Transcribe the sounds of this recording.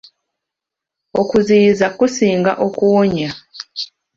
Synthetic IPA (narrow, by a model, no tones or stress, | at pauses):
o̰kuziːzakusiːŋɡa̰ʔokuoɲa